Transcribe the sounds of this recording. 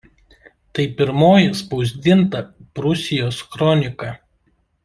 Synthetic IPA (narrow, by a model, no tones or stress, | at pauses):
t̪ɐɪpʲɪɾmoːjɪspɒʊzʲd̪ʲɪnt̪ɐpɾʊsʲɪjoːskɾɔnʲɪkɐ